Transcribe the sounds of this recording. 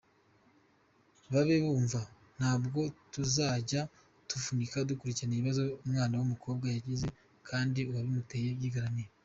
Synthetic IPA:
βaβeβuːɱva | n̥haːbɡo̞tuzaːɟa | tufunikadukuɾiciɾaniiβazo̞umŋaːnawumuko̞ːb̚ɡajaɟize̞ | kʰaːndiuwaβimutejebɡiɡaɾamiɾe

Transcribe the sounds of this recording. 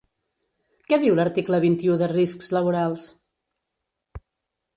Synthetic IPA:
kɛðiwləɾt̪ikləβ̞int̪iuðəriskz̥ləβ̞uɾalˠs

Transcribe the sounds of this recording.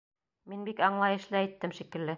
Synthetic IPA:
minbikɑɴlˠɑjɤ̆ʃlɘæjt̪ːɘmʃikɘ̆lːɘ

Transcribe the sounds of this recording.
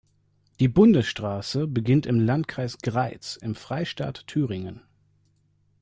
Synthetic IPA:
d̥iːbʊndəsʃtʁ̥aːsəbəɡɪntɪmlantkʰʁ̥aɪsɡ̥ʁaɪt͡sɪmfʁ̥aɪʃta̰ːtːʰyːʁɪŋən

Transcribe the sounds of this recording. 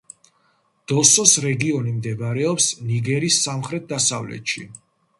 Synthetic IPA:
d̪̥ɔsɔsɾɛɡiɔnimd̪ɛbaɾɛɔpsniɡɛɾisːamχɾɛt̪̚d̪asavlɛ̰t̪ʃḭ

